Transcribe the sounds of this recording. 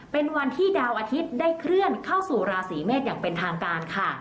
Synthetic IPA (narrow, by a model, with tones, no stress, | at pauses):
pe˧nwa˧nt̪ʰiː˥˩daː˧wʔaː˧t̪ʰi˦˥t̪̚daː˥˩jkʰɾɯ˥˩ənkʰa˥˩wsuː˨˩ɾaː˧siː˩˦meː˥˩t̪̚jaː˨˩ŋpe˧nt̪ʰaː˧ŋkaː˧nkʰa˥˩